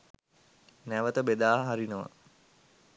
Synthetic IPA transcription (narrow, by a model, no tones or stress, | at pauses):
næʋət̪əbed̪aːɦaɾinəʋə̰